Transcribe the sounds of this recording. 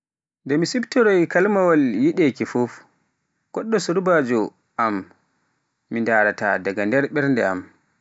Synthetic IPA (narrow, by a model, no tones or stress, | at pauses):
ndɛmisibtɔɾɔjkalmawaljiɗɛkifuf | ɡ̥ɔɗːɔsuɾbaːd͡ʒɔ | ʔamː | indaːɾata̰daɡandɛɾɓɛɾndɛa̰m